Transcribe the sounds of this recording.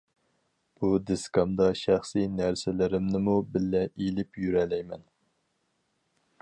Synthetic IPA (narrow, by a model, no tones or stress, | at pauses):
b̥ud̪eskɑmd̪ɑʃæχsinæɾsɪlɪɾɪmnɪmubɪlːɛʔilɪpjyɾɛlɛjmɛn